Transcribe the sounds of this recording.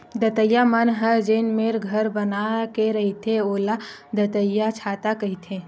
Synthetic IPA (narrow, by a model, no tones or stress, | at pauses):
d̪ət̪əjːamənɦəd͡ʒenmeːɾɡʱɐɾbɐnakeɾɐɦit̪ʰeoːla | d̪ət̪əjːat͡ʃʰaːt̪akɐɦit̪ʰe